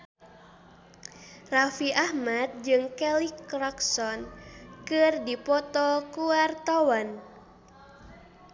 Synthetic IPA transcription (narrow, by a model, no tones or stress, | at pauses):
rafiʔahmat̪̚d͡ʒɨŋkɛlikrɔksɔnkɨrdipɔt̪ɔkuart̪awan